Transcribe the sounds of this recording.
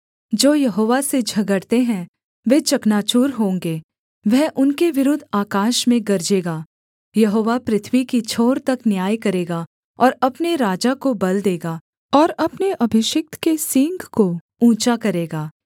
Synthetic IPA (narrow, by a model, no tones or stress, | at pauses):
d͡ʒoːjɐɦoːʋased͡ʒʱɐɡəɽt̪eɦɛ̃ | ʋet͡ʃɐknaːt͡ʃuːɾɦõːŋɡeː | ʋɛɦʔʊnkeʋɪɾʊd̪ʱaːkaːʃmẽɡɐɾd͡ʒeːɡaː | jɐɦoːʋapɾɪt̪ʰʋikit͡ʃʰoːɾt̪ɐknjaːjkɐɾeːɡa | ɔːɾɐpneɾaːd͡ʒakobɐld̪eːɡa | ɔːɾɐpneʔɐbʱɪʃɪk̚t̪kesɪ̃ŋɡko | ũːt͡ʃakɐɾeːɡaː